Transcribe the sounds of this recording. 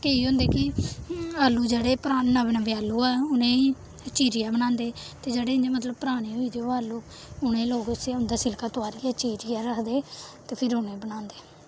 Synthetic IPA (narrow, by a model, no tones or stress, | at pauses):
keiːɦʊ̃nd̪eːkɪ | aːlːuːd͡ʒeːɽeːpəɾaːaːbnəʋɪaːlːuːɛːʊnẽːiː | t͡ʃiːɾɪjaːbənãːnd̪eːt̪eːd͡ʒeːɽeːɪnd͡ʒeːmət̪ləb̚pəɾaːɽ̃iːɦoiːd̪eoːaːlːuː | ʊnẽːloːɡʊsaːʊnd̪aːsɪlkaːt̪ʊaːɾiːat͡ʃiːɾɪjaːɾəkʰd̪eːt̪eːpʰɪɾʊnẽːbənãːnd̪eː